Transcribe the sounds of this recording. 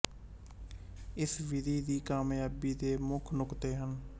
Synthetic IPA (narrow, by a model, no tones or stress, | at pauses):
ɪsʋɪd̪iːd̪iːkaːmjaːbiːd̪eːmʊkʰnʊkt̪eːɦən